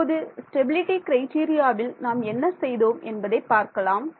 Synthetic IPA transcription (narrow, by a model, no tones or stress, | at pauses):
oðɯsʈɛbɪlɪʈikɪɾɐɪʈiːɾɪjaːʋɪlnaːmɛnːɐsɛjðoːmɛnbɐðɐɪpːaːɾkɐlaːm